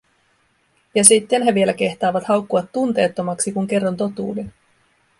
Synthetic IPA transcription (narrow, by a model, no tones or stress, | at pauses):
jɑsit̪ːe̞nɦeʋie̞læke̞ht̪ɑːʋɑt̪hɑwkːuɑt̪ːunt̪e̞ːt̪ːo̞mɑksikuŋk̟e̞rːɑnt̪o̞t̪ṵːde